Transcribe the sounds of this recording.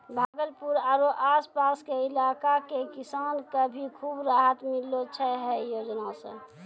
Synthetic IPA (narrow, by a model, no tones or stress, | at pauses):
bʱaːɡəlpuɾaɾoʔaːspaːskeɪlaːkakekɪsaːnkabʱikʰuːbɾaːɦət̪mɪlot͡ʃʰɛɦɛjoːd͡ʒnasḛ̃